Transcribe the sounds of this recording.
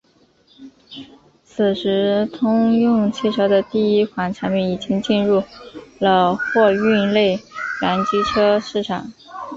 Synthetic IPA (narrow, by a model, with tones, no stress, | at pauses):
t͡sʰɹ̩˨˩ʂɻ̩˧˥t̪ʰʊ˥ŋjʊ˥˧ŋt͡ɕʰi˥˩ʈ͡ʂʰɤ˧˥ʊd̪ə˧t̪i˥˩i˥kʰwa˧˥nʈ͡ʂʰa˧˥ŋmɛ˥˩ni˨˩t͡ɕi˥ŋt͡ɕi˥˧nɻu˥˩lə˩xwɔ˥˧y˥˧le˥˩ɪla˧˥nt͡ɕi˥ʈ͡ʂʰɤ˥ʂɻ̩˥˩ʈ͡ʂʰa̰˨˩˦ŋ